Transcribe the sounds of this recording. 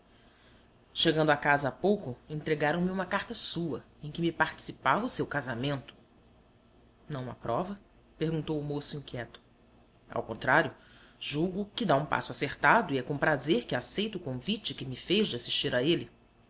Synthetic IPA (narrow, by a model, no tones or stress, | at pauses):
ʃeɡɐ̃nd̪ʊakazɐapowkʊẽt̪ɾeɡaɾɐ̃w̃mɪũmɐkaɾt̪ɐsuɐ | ẽj̃kɪmɪpaɾt͡ʃi̥sipavɐʊsewkazamẽnt̪ʊ̥ | nɐ̃w̃ɐ̰pɾɔvɐ | peɾɡũnt̪owʊmosʊĩŋkʲjɛt̪ʊ̥ | a̰wkõnt̪ɾaɾjʊ | ʒ̥uɡʊkɪd̪aũpa̰sʊaseɾt̪ad̪ʊiɛkõpɾazeɾkɪasejt̪ʊʊkõvit͡ʃɪkɪmɪfejʒd͡ʒɪasiʃt͡ʃiɾaelɪ